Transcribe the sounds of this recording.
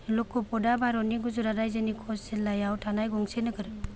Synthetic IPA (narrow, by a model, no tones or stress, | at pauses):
lɔkːɔpɔdabaɾɔniɡuzuɾadajzenikʰɔselajawtʰanajɡɔŋsenɯkʰɯɾɯ